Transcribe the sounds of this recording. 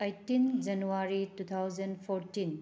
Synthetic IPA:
ejtind͡ʒɐnuaɾitut̪ʰawd͡ʒɐnpʰoɾtin

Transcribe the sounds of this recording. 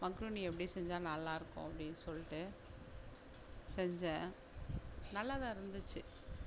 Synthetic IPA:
mɐŋkɾuniɛpːɐɽɪieːsɛɲd͡ʒãːnɐlːãːɪɾɯkːʊ̰̃ɐpːɐɽɪnːɯsɔlːɪʈːɯ | sɛɲd͡ʒɛ̃ | nɐlːaːðãːɪɾɯnd̪ɯt͡ʃːɯ

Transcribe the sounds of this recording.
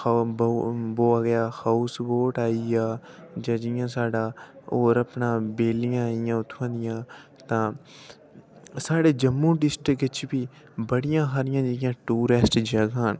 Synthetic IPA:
bboːaːɡəjaːxausboːʈaːiaːd͡ʒaːd͡ʒɪjãːsaːɖaːoːɾəpnãːbeːlɪjãːɪjãːʊt̪ʰːãːnd̪ɪjãː | t̪ãː | saːɽeːd͡ʒəmːũːɖɪsʈɾɪkɪt͡ʃbiː | bəɽɪjãːɦaːɾɪjãːd͡ʒeɪjãːʈuːɾesʈd͡ʒəɡaːn

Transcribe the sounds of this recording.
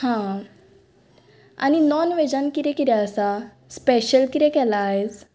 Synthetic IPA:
hã | a̰ninɔnʋed͡ʑankiɾɛkiɾɛəsa | speɕəlkiɾekɛlaːɦes

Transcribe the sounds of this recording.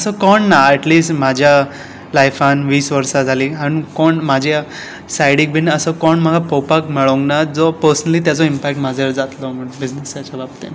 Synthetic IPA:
əsəkɔɳːaɛʈliːsʈmad͡ʑʱja | lajfanʋiːsʋəɾsad͡zʱaliːanikɔɳmad͡ʑʱe | sajɽik̚bʱinəsəkɔɳməɡʱapɔwpakmɛɭoŋɡnad͡zɔpəɾsənəlit̪jat͡sɔimpɛk̚ʈmad͡zʱeɾd͡zat̪lɔməɳbid͡znesjat͡ɕabab̚t̪ḛn

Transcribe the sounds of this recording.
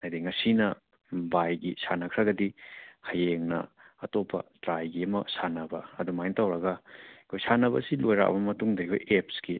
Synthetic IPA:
ajdiŋɐsinɐ | bajɡisanɐkʰɾɐɡɐdihɐjeŋnɐ̰ | ɐtopʰːɐ̰tɾajɡiɐmɐsanɐbɐɐdumajntawɾɐɡɐkʰojsanɐβɐ̰silojɾa̰ʔbɐmɐtuŋdɐikʰo̰jep̚ski

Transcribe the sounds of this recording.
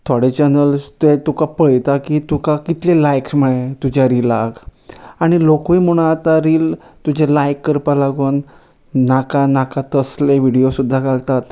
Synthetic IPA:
t̪ʰoɽet͡ɕənəlst̪et̪ukapəɭjt̪akit̪ukakit̪lelajksm̤əɭẽt̪ud͡ʑaɾilaɡaɽ̃ilokuim̤oɽ̃ãat̪aɾiːlt̪ud͡ʑʱelajkːəɾpalaɡuːnː | akanakãt̪əsleʋiɽijosud̪ʱːakalt̪at̪

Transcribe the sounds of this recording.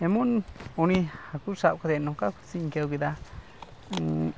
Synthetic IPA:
emunonĩhakuʂakad̪enõkaku̥t͡siŋkewɡid̪a

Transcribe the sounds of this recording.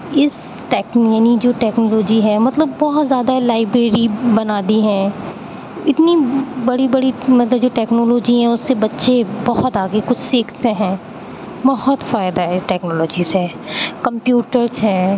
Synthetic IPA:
ɪs | ʈɛːkjaːnid͡ʒoːʈɛːknɔːloːd͡ʒiɦɛmɐt̪ləbːɔɦɔt̪zjaːd̪alaːɪbɾeːɾibɐnaːd̪iɦɛ̃ː | ɪt̪nibɐɽibɐɽimɐt̪ləbd͡ʒoːʈɛːknoːloːd͡ʒiɦɛ̃ʊsːebɐtːʃebɔɦɔt̪aːɡekʊt͡ʃʰsɪːkʰseɦɛ̃ː | bɔɦɔt̪faːɪd̪aɦɛʈɛːknɔːlɔːd͡ʒisɦɛː | kɐ̃mpjuːʈəɾsɦɛ̃ː

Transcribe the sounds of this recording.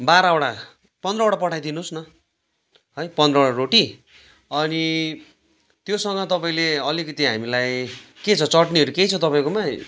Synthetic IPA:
baɾaoɽa | pʌnd̪rʌoɽapʌʈʰajd̪inusnʌ | ɦʌjpʌnd̪rʌoɽaɾoʈi | ʌni | t̪josʌŋɡʌt̪ʌpaĩleʌlikʌt̪iɦamilajket͡sʰʌt͡sʌʈniʌɾukejt͡sʰʌt̪ʌpaĩkoma

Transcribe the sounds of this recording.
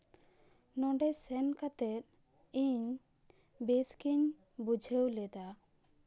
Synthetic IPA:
nɔ̃ɖɛsɛnkat̪ɛt̪̚ | iɲ | beskiɲ | bud͡ʒʱəwlɛd̪a

